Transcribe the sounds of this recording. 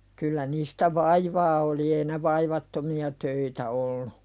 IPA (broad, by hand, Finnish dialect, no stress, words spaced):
kylːæ niːstæ ʋɑiʋɑː oli ei ne ʋɑiʋɑtːomiɑ tøitæ olːu